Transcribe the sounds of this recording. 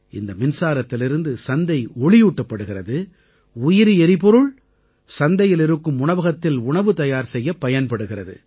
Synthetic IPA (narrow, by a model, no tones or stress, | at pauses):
ɪnd̪ɐmɪnsaːɾɐt̪ːɪlɪɾɯnd̪ɯsɐnd̪ɐɪɔɭɪjuːʈːɐpːɐɽɯɣɪrɐðɯ | ʊjɪɾiɛɾɪpɔɾɯɭ | sɐnd̪ɐjɪlɪɾɯkːɯmʊɳɐʋɐɣɐt̪ːɪlʊɳɐʋɯt̪ɐjaːɾsɛjːɐpːɐjɐnpɐɽɯɣɪrɐðɯ̰